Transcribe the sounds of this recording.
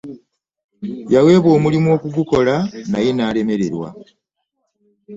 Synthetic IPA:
jawe̞ːβo̞ːmulimuo̞kuɡuko̞lanaje̞naːle̞me̞ɾe̞ɾwa̰

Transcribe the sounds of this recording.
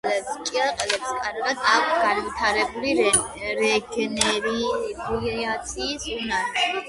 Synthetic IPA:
lɛbst͡ʃʼiaqʼɛlɛbskʼaɾɡad̪ʰakʷʰsɡ̥anvit̪ʰaɾɛbuliɛ | ɾɛɡɛnɛɾibʰlɛat̪sʰiːsunaɾ

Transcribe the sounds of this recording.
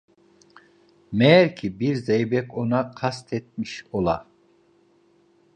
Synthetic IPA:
mɛɾkʰibiɾzejbɛkʰonaqʰast̪ʰɛt̪̚miʃolˠa̰

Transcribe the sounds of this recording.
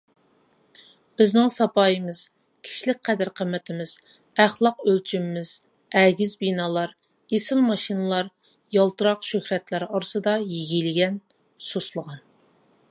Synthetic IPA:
b̥ɪznɪŋsɑpɑːjəmɨz̥ | kʲʰi̥ʃlɪk̚ʲqʰɛd̪æɾqʰəmːɪt̪ʰɪmɪz̥ | æχlˠɑqølt͡ʃʰymɪmɪz̥ | ɛɡʲɪzbinɑːlˠɑɾ | esɪlmɑʃinɨlˠɑɾ | jɑlˠt̪ɨɾɑqʃøhɾɛt̪læɾɑɾɨsɨd̪ɑjiɡʲilɪɡʲɛn | soslˠəʁɑn

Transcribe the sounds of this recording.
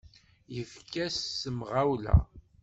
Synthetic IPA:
jəfkæsːəmʁawlæ̰

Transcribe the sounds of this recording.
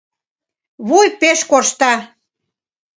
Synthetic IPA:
βujpeʃkoʃt̪ɑ

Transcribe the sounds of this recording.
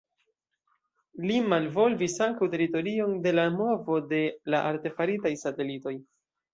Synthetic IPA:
limalvo̞lvisaŋkawte̞ɾito̞ɾio̞nde̞lamo̞vo̞de̞laʔaɾte̞faɾitajsate̞lito̞j

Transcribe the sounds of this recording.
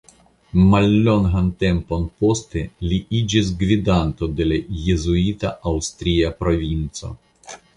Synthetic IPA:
malːo̞ŋɦante̞mpo̞npo̞steliʔid͡ʒis̬ɡvidanto̞de̞lajezuit̪aawst̪ɾiapɾo̞vint͡so̞̰

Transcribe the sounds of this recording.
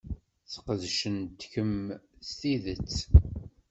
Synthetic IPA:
θqəðʃənt̪kəmst̪iðət͡sː

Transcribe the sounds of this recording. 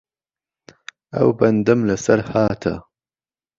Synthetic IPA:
ɐ̰wbɐnd̪ɨmlɐsɐɾhaːt̪ʰɐ̰

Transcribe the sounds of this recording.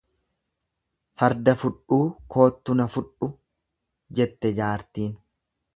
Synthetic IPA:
fɐɾd̪ɐfʊᶑuːkʰo̞ːt̪ːʊnɐfʊᶑʊ | d͡ʒɛt̪ːɛd͡ʒaːɾt̪iːn

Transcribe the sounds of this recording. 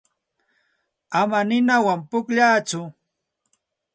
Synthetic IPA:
amanɪnawampʊkʎaːt͡sʊ

